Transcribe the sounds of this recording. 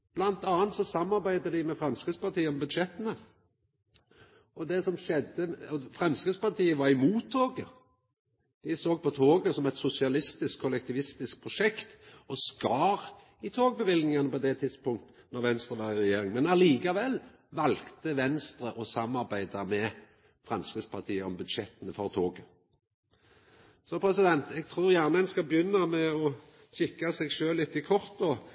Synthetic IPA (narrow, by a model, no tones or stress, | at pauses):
b̥lɑnt̪ɑːnt̪sɔsɑmːɑɾbæɪd̪əd̪ɪmɛfɾɛmskʁɪd̪spɑʁt̪iːəɔmbʉd̪ʃɛt̪ːənə | ɔd̪ɛsɔmʃɛd̪əɔfʁɛmskɾid̪spɑt̪ʰiːəʋɑɾɪmuːt̪ʰːoːɡə | d̪̥ɪsoːɡ̚pɔt̪ʰoːɡəsɔmɛt̪sʊsɪɑlɪst̪ɪskʰːʊlɛkt̪ɪʋɪst̪ɪsk̚pʰʁʊʂɛkt̪ | ɔskɑːʁ | ɪt̪ʰoːɡ̚bəʋɪlnɪŋɑnəpɔd̪ɛt̪ʰɪd̪spʊŋkt̪ənɔʁʋɛnst̪ɾəʋɑʁɪʁɛjeːɾɪŋmɛnɑliːkɑʋɛlː | ʋɑlkt̪əʋɛnst̪ɾəʔɔsɑmːɑʁbæɪd̪ɑmɛ | fʁɑmskʁɪːd̪spʰɑʁt̪ʰiːəɔmbʉd̪ʃɛt̪ənəfɔʁt̪ʰoːɡə | sɔpʰɾɛsɪd̪ɛnt̪ɛɡ̚t̪ʰʁuːɾjæʁnəɛnskɑbəjʏnːɑmɛɔ | ɕɪkːɑsɛɡʃøːlɪt̪ːɪkʰɔʁt̪̚d̪ɔ